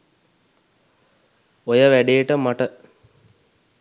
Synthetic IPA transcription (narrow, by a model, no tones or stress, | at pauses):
ojəʋæɖejəʈəmaʈə